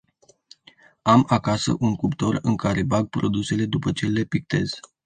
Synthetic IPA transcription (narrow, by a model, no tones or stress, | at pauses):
amakasə̰ʔuŋkupt̪o̞rɨŋkaɾʔe̞baɡ̚pɾo̞̰d̪use̞le̞d̪upət͡ʃe̞le̞pik̚t̪e̞̰z̥